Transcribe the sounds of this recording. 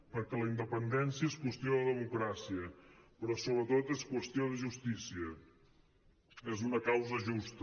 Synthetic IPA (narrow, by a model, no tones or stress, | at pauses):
pəɾkɛləind̪əpənd̪ɛnsiəeskwəst̪joðəðəmukɾasiəpɾɔsoβɾət̪ot̪eskwəst̪ioðəʒust̪isiə | ezunəkawzəʒust̪